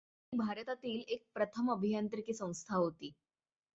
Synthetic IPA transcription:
ibʱaɾət̪at̪iːlek̚pɾət̪ʰəməbʱijant̪ɾikiːsə̃w̃st̪ʰaɦot̪iː

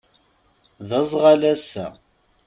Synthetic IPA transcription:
ðəzˤʁɑlæsæ̰

